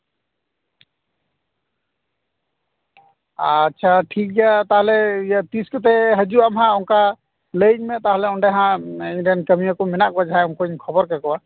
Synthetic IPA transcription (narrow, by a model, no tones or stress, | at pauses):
atːʃʰaʈʰik̚d͡ʒat̪aɦlɛijat̪iskɔt̪̬ɛɦəd͡ʒuamɦãɔŋka | ləjɲmɛt̪aɦlɛɔɳɖɛɦãiɲɖɛnkəmiakɔmɛnaʔkɔad͡ʒaɦajɔŋkɔɲkʰɔbɔɾkɛkɔwa